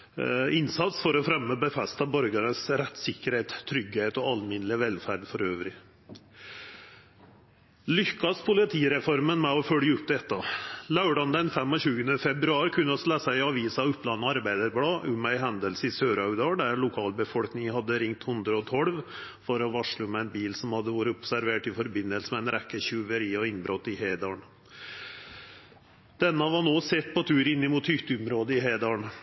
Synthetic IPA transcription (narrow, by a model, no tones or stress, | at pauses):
ɪnsɑt̪sfɔɾɔfɾɛmːəbəfɛst̪ɑbœɾɡənəsɾɛt̪ːsɪkːəɾheːt̪t̪ʰːɾʏɡheːt̪ɔɑlmɪnlɪʋɛlfæɾɖ̪fɔɾøːʋɾɪ | lʏkːɑspʰʊlɪt̪ʰiːɾɛfɔɾmənmɛɔfœljəʉp̚d̪ɛt̪ːɑlɑʉɖɑnd̪ɛnfɛmːɔɕʉːɡənəfɛbɾʉɑːɾkʰʉnːəɔslæsæɪɑʋiːsɑʉpːlɑnːəɑɾbæɪd̪əɾblɑːʔʉmæɪɦɛnd̪əlsɪsøːɾɑɡd̪ɑːɳɖæɾlʊkʰɑːlbəfɔlknɪŋhɑd̪ːəɾɪŋt̪hʊnd̪ɾəɔt̪ʰɔlʋ | fɔɾɔʋɑʂɭʊmæɪnbiːlsɔmhɑd̪ːəʋuːɾəʊpsæɾʋeːʈɪfɔɾbɪnːəlsəmɛæɪnɾɛkːəɕʉʋəɾiɔɪnbɾɔt̪ːɪheːd̪ɑɳ | d̪̥ɛnːəʋɑɳoːsɛt̪ːpʰɔt̪ʰʉːɾɪnːɪmut̪hʏt̪əʊmɾoːd̪əɪɦeːd̪ɑɳ